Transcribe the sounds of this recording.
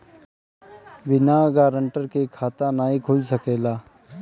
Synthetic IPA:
bɪnaɡaːɾəɳʈəɾkekʰaːt̪anaːĩkʰʊd͡ʒsəkeːlaː

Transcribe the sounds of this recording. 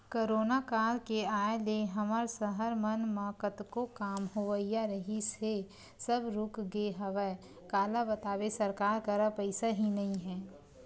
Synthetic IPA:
koːɾoːnakaːlkeaːeleɦɐməɾsəɦəɾmənmaːkət̪kokaːmɦoʋəijaɾəɦise | səbɾʊkɡeɦəʋə | kaːlabɐt̪aːʋesɐɾkaːɾkəɾapəɪsaɦinɐɦĩɦɛː

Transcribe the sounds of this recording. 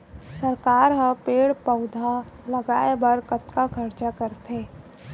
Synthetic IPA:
sɐɾkaːɾɦəpeːɽpəʊd̪ʱalɐɡaːebɐɾkɐt̪kakʰɐɾt͡ʃakəɾt̪ʰeː

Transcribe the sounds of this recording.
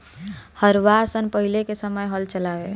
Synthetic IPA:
həɾʋasənpəɦilekesəməjɦəlt͡ʃəlae

